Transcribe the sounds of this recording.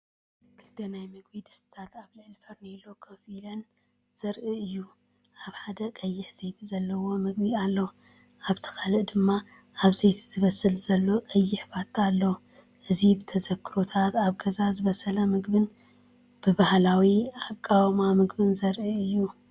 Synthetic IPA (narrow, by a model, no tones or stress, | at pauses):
kʰɨlt̪ʰɐnajmɨɡ̚bid̪ɨst̪ʰɨ̥t̪ʰat̪aβlɨʕɨlfɐɾnelokʰɐfilɐn | z̥ɐɾʔɨɨjːu | ʔaβħad̪ɐkʼɐjːɪħz̥ejt̪ʰizɐlːɐwo̞mɨɡbialːow | aβt̪ʰɨ̥kʰalɨʔd̪ɨmːa | aβzejt̪ʰi̥zɨβɐsɨlzɐlːokʼɐjːɪħbat̪ːalːɐ | ʔɨzibɨt̪ʰɐzɐkʰːɨɾo̞t̪ʰat̪aβɡɐzazɨβɐsɐlɐmɨɡbɨn | b̥ɨbahlawiakʼːawmamɨɡbɨnzɐɾʔɨɨjːu